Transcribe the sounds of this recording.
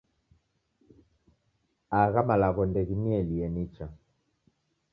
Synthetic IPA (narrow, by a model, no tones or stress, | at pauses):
aɣamalaɣɔndɛɣimiɛliɛnit͡ʃa